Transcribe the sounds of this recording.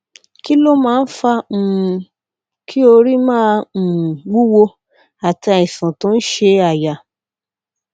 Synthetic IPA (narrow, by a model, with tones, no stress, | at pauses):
ki˦lo˦mãː˦˧n̩˦fã˧˨˧ | ki˦o˧ɾi˦mãː˦˧˨wu˦wo˧ | a˨ta˧i˨sã˨tõ˨˦n̩˦ʃe˧a˨ja˨